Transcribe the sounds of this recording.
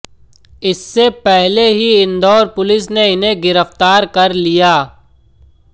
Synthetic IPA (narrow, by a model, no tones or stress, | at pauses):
ɪsːepɛɦleɦiɪnd̪ɔːɾpʊlɪs̬neɪnɦẽɡɪɾəft̪aːɾkɐɾlijaː